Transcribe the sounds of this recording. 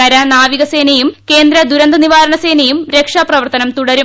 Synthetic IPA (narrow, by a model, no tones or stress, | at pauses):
ɐɾɐnaːʋiɣɐseːnɐjumke̞ːnd̪ɾɐd̪uɾɐnd̪ɐniʋaːɾɐɳɐse̞ːnɐjumɾekʂaprɐʋɐrt̪ɐnɐmt̪uɽɐɾu